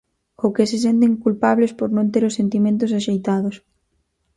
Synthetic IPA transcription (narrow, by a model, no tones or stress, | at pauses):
owkeses̬ent̪̬eŋkulpaβlespoɾnõnt̪eɾosent̪imẽnt̪ʊsaʃejt̪aðos